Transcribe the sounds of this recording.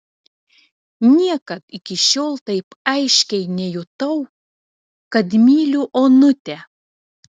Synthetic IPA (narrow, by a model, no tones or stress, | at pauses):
nʲiɛkɐt̪ɪkʲɪʃʲoːlˠt̪ɐɪpɐɪʃʲkʲɛɪnʲɛjʊt̪ɐʊ | kɐt̪mʲiːlʲuʔoːnʊt̪ʲɛ